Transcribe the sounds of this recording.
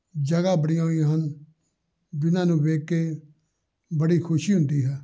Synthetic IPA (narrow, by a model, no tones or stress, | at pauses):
d͡ʒəɡaːbəɽijãːɦiãːɦən | bɪnãːnũːʋeːkːeː | bəɽiːkʰʊʃiːɦʊ̃nd̪iːɦɛː